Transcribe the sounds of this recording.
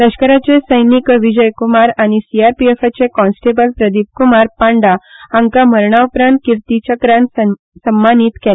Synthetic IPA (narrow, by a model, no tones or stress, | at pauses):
t̪əɕkəɾat͡sesəjnikʋid͡ʑəjkumaɾaɽ̃isiaɾpiefat͡ɕekɔ̃nsʈebəlpɾəd̪ʱip̚kumaɾpãɳɖaaŋkaməɾɳaupɾãnt̪̚kiɾt̪it͡ɕəkɾãn | səmːaniːt̪kel